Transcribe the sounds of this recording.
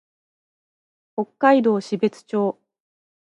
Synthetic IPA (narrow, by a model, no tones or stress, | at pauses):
ho̞kːaid̪o̞ːɕibe̞t͡sɨ̥t͡ɕo̞ː